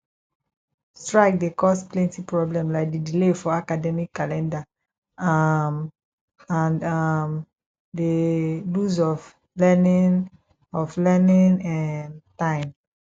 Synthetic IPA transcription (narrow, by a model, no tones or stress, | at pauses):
stɹaɪk̚dekɔsplɛ̃ntipɹɔblɛ̃mlaɪk̚didilefɔakadɛmikːalɛ̃nda | am | ãnam | deluzɔv | lɛnĩn | ɔflɛnĩnãntãɪ̃m